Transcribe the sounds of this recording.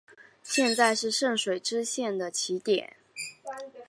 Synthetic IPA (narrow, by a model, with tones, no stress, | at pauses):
ɕjɛ˥˧nt͡sa˥˧ɪʂɻ̩˥˧ʂɤ˥˩ŋʂwe˨˩ɪʈ͡ʂɻ̩˥ɕjɛ˥˩nd̪ə˩t͡ɕʰi˧˥t̪jɛ̰˨˩˦n